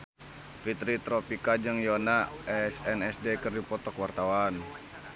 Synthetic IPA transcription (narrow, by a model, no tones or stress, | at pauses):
fit̪ɾit̪ɾɔpikad͡ʒɨŋjɔnaɛsɛnɛsdekɨrdipɔt̪ɔkwart̪awan